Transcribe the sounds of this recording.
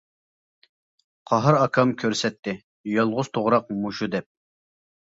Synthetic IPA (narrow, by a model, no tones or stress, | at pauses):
qʰɑɦɨɾɑkʰɑmkʲʰøɾsɛt̪ʰːɪ | jɑlˠʁʊz̥t̪ʰoʁɾɑq̚muʃud̪ɛp̚